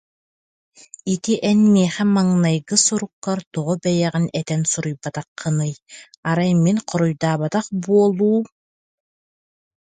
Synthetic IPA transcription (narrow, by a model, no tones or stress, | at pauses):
it̪iʔɛnmiɛχɛmaŋnajɡɯsuɾukːaɾt̪ɔʁɔbɛjɛʁinɛt̪ɛnsuɾujbat̪aqːɯnɯj | aɾajminqɔɾujd̪aːβat̪aχbuɔlˠuːm